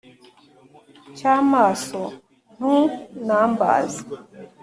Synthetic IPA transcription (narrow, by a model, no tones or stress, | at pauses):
camaso | n̥ũnamba̰zi